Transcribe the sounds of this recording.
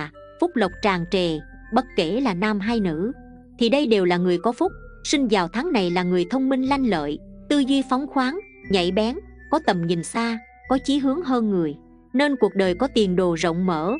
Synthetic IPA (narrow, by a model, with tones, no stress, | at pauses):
fʊ˦˥k͡p̚lə˨˩wk͡p̚t͡ɕaː˨˩ŋt͡ɕɛ˨˩ | ɓə˦˥t̚ke˧˩laː˨˩naː˧mɦaː˧jnɨ̰˧˥ | t̪ʰi˨˩ɗə˧jɗe˨˩wlaː˨˩ŋɨ˨˩əjkɔ˨˦fʊ˦˥k͡p̚sï˧ŋ̟vaː˨˩wt̪ʰaː˨˦ŋna˨˩jlaː˨˩ŋɨ˨˩əjt̪ʰə˧wŋ͡mmï˧ŋ̟la˧jŋ̟lə̰ː˧˨jt̪ɨ˧zwi˧fa˨˦wŋ͡mxwaː˨˦ŋ | ɲa̰˧˩jɓɛ˨˦n | kɔ˨˦t̪ə˨˩mɲi˨˩nsaː˧ | kɔ˨˦t͡ɕi˨˦ɦɨ˨˦əŋɦəː˧nŋɨ˨˩əj | ne˧nku˨˩ək̚ɗəː˨˩jkɔ˨˦t̪i˨˩ənɗo˨˩zə̰˧˨wŋ͡mmə̰ː˧˥